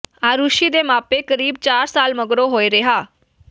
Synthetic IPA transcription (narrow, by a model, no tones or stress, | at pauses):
aːɾuʃiːd̪eːmaːpeːkəɾiːb̚t͡ʃaːɾsaːlməɡɾoːɦoːiːɾɪɦaː